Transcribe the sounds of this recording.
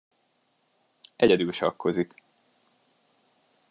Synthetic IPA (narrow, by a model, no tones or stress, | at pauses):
ɛɛd̪ylʃɒkːo̞zik